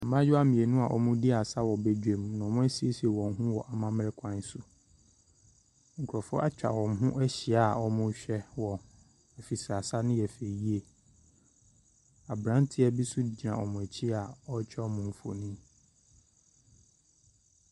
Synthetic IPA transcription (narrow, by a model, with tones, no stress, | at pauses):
a˨mã˦jʊ˦a˦mĩ˨e˨nʊ̃˦a˨ʔɔ̰˦mʊ̃˦di˦a˨sa˦wɔ˨be˦d͡ʑᶣe˨m˨nʊ̃˨mʊ̃˦æ˦si˦e˦si˨e˨wɔ̃˨ŋ˨ɦũ˦wɔ̰˨ʔa˨mã˦m˦ɾɛ˦kʰã˨˦n˦sʊ˨ | ŋ̩˨kʰʊ˨ɾɔ˨fʊ˦ʔa˦t͡ɕᶣa̰˨wɔ̃˨ŋ˨ɦʊ̃˦ʔɛ˦ɕi˨a˦˨ɔ˦mʊ̃˦ɕᶣɛ˦wɔ˨ | ɛ˨fi˨sɾa˨sa˦nʊ̃˦jɛ˨fe˨ji˦e˨ | a˨bɾã˦n˦tʰɪ˦ɛ˦bi˦sʊ˦˨d͡ʑi˨ã˨ʔɔ˨mʊ̃˨æ˨t͡ɕʰi˦a˨ɔ˦t͡ɕᶣɛ˦ɔ˦mʊ̃˨m̩˨fo̰˨nĩ˦